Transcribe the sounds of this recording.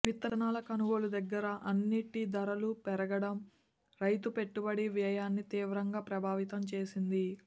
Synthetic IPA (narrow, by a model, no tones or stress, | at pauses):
ʋit̪ːɐɐnaːlɐkɐnuʋolud̪ɐɡːɐɾɐʔɐnːiʈid̪ɐɾɐlupɛɾɐɡɐɽɐm | ɾɐjt̪upe̞ʈːubɐɽiʋiɐjaːnːit̪iːʋɾɐŋɡaːpɾɐbʱaːʋit̪ɐmt͡ʃe̞ːsind̪i